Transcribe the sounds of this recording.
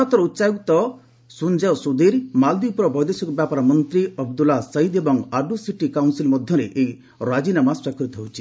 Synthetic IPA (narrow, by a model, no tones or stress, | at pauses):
ɔt̪ɔɾɔut̪ːsaɡut̪ɔ | sund͡ʒaɔsud̪iɾmald̪ipɾɔbʱɔjd̪esɔkɔbjapaɾamɔnt̪ɾiɔb̚d̪ulasɔid̪ebɔŋaɖusiʈikawnsilmɔd̪ʱjɔɾeʔej | ɾad͡ʒinamasakʰɔɾit̪ʰɔwt͡ʃʰi̥